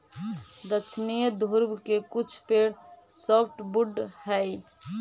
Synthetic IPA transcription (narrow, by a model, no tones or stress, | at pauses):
d̪ət͡ʃʰnijəd̪ʱuɾbkekut͡ʃʰpeɽsɔpʰʈbuɖhəj